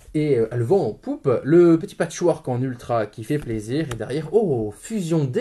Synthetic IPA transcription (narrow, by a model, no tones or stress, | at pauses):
eøʔɛlvɑ̃ːpupləpət̪i̥pat̪ʃwaʁkɑ̃nylt̪χakʲifɛpleziʁed̪ɛʁjɛʁofyzjɔ̃d̪e